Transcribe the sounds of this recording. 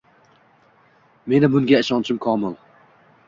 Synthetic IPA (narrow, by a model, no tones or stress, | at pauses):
me̞nɪbʊŋɡʲaɪʃɒnt͡ʃʰɪmkʰɒːmɪlˠ